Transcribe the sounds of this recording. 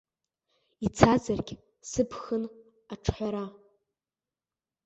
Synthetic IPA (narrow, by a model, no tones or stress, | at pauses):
it͡sʰazarɡʲ | sɨpʰxɨn | aʈ͡ʂʰħʷaɾa